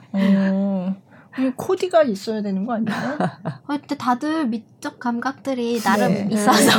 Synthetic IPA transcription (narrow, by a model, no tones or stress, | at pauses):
ʌ | kɯɾekʰodiɡais͈ʌjadwenɯnɡʌaɲiot͈etadɯɭmit͡ɕ͈ok̚k͈amɡak̚t͈ɯɾinaɾɯmis͈ʌna